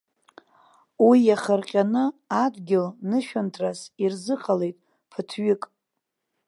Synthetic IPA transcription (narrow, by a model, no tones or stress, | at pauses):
wijaχərqʲʼanɨadɡʲɪlnɨʃᶣantʰrasirzɨqʰʼale̞jtʼ | pʰɨtʰɥɪkʼ